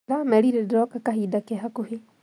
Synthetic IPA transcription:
ɾamɛɾiɾedɾɔkakaɦidakeɦakuhe

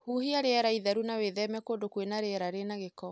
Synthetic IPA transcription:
huhiaɾeɛɾaiðaɾunaweðɛmɛkodokwenaɾeɛɾaɾenaɣekɔ

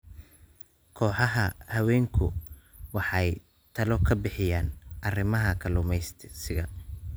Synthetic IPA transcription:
kʰɔːħɑɦɐhɐwɛːŋkʰʊwɑħɑj | t̪ʰɐlɔkʰɐbɪħɪjaːnʔɐrɪmɐɦɐkʰɐlʊmɛjst̪ʰsɪɣɐ

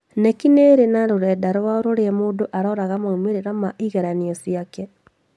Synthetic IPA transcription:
nɛkineɾenaɾoɾɛːdaɾwaoɾoɾeɛmoːdoʔaɾɔɾaɣamaumeɾeɾamaʔiɣeɾaniɔsiakɛ

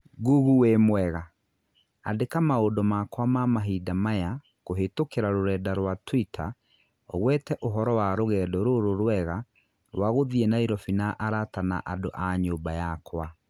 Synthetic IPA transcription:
ɡuɣuwemwɛɣa | adekamaodɔmakwamamaɦidamaja | ɣoɦetokeɾaɾoɾɛːdaɾwatwitʰa̰ | ɔ̰ɣwɛtɛʔoɦɔɾɔwaɾoɣɛːdɔɾoɾoɾwɛɣa | waɣoðienaiɾɔfinaʔaɾatana̰ʔadoʔaɲoːbajakʰwa

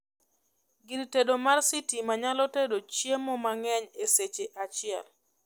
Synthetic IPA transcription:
ɡintedomarsitimaɲalɔtedot͡ʃjemɔmaŋɛɲeset͡ʃeʔat͡ʃɪɛl

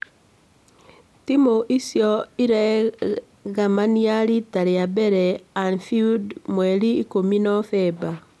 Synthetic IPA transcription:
timoʔisjɔiɾɛ | ɣamanijaɾitaɾejabɛɾɛanfiudmweɾiːkominɔfɛba

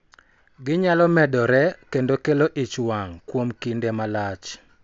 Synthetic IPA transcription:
ɡɪɲalɔmɛdɔɾɛkendokeloʔit͡ʃwaŋkwomkindemalat͡ʃ

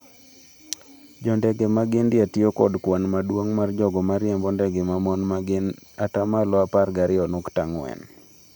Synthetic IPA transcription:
d͡ʒɔndɛɡemaɡɪndɪatiokɔdkwanmadwoŋmard͡ʒɔɡɔmaɾjambɔndɛɡemamɔnmaɡɪnatamalɔaparɡaɾɪɔnʊktaŋwɛ̰n

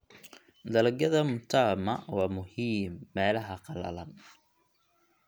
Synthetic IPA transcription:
d̪ɐlɐɡɐðɐmʊt̪ʰamɐwɑːmʊhiːmːɛːlɐɦɐqɑlɐ̰lɐn

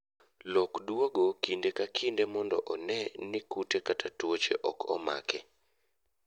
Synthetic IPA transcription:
lɔkdwoɡokindekakʰindemɔndɔʔɔnɛnɪkutekatʰatwot͡ʃḛʔɔkʰɔma̰kɛ

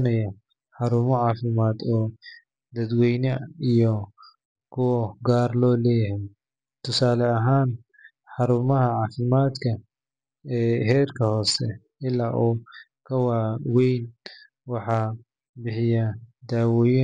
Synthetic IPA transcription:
nɐjɐ | ħɑɾʊmɔʕɑːfɪmaːd̪ɔː | d̪ɐd̪wɛjnɐijɔ | kʰʊwɐɡaːrlɔːlɛːhɛ | t̪ʰʊsaːlɛɐɦaːn | ħɑɾʊmɐɦɐʕɑːfɪmaːd̪kʰɐ | ɛːɦɛːrkʰɐhɔːsɛ | ɪlaːʔɔː | kʰɐwaːwɛjn | wɑħɑː | bɪħɪjɐd̪aːwɔːj

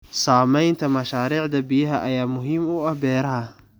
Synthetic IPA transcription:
saːmɛjnt̪ʰɐmɐʃaːɾiːʕd̪ɐbɪjɐɦɐʔɐjaːmʊɦiːmʊɐhbɛːɾɐɦɐ

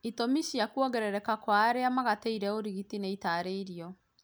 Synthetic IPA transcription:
itomiɕiakuɔɣɛɾɛɾɛkakwaːɾeamaɣateiɾɛoɾiɣitineitaːɾeiɾiɔ

